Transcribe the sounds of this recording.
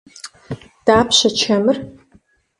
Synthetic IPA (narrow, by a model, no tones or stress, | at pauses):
d̥aːpʰɕɐt͡ʃʰɐmɨr